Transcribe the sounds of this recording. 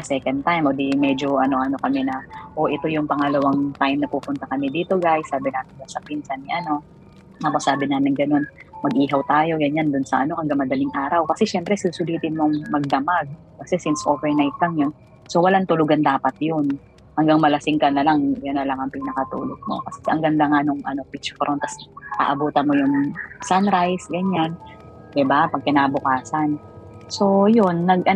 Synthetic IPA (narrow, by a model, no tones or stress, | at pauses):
ɐsɛkɐnd̪̚t̪ajmʔod̪imɛd͡ʒo̞ʔɐno̞ʔɐno̞kɐmɛnɐʔo̞ʔɪt̪o̞jʊŋpɐŋɐlɐwaŋt̪ajmnɐpuːpʊnt̪ɐkɐmɛd̪iːt̪o̞ɡajsːaːbɪnaːmɪnd͡ʒasɐpinsɐnɪʔɐno̞ | ɐkosaːbɪnaːmɪnɡɐno̞nmɐɡ̚ʔiːɦɐwt̪aːjo̞ɡɐɲand̪ʊnsɐʔɐno̞hɐŋɡɐŋmɐd̪ɐliŋʔaːɾɐwkɐsɛʃɛmpɾɛsɪʊsʊliːt̪ɪnmoʔɐŋmɐɡ̚d̪ɐmaɡ̚ | kɐsɛsɪnsʔoːvɛɹnajt̪̚laŋjon | so̞wɐlaŋt̪ʊlʊɡand̪aːpɐt̪̚jon | hɐŋɡaŋmɐlɐsɪŋkɐnɐlaŋjʊnɐlaŋɐŋpinɐkɐt̪ṵːloɡ̚mo̰kɐsɛɛhɐ̰ŋɡɐŋd̪aŋanʊŋʔɐ̰no̞pit͡ʃfɾʔont̪ɐsʔa̰ʔɐbuːt̪ɐnmo̞jʊŋsanɾajsɡɐɲan | d̪ɪbapɐɡ̚kɪnabʊkaːsɐn | so̞jonːɐɡʔɐ